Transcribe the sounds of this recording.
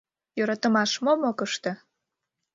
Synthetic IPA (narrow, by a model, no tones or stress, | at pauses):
jøɾɑt̪ə̆mɑʃmomokəʃt̪ĕ